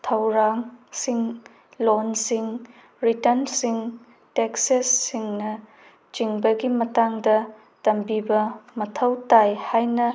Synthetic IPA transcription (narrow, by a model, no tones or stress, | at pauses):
tʰɐwɾaŋsiŋ | lonsiŋ | ɾitɐnsiŋ | teksesːiŋnɐ | t͡ʃiŋbɐɡimɐtaŋdɐ | tɐmbibɐmɐtʰɐwtajhajnɐ